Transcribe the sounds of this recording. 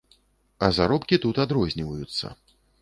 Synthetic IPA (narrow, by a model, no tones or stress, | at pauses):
ɐzaɾɔpkʲit̪ut̪ad̪ɾɔzʲnʲivɐjut̪sːɐ̰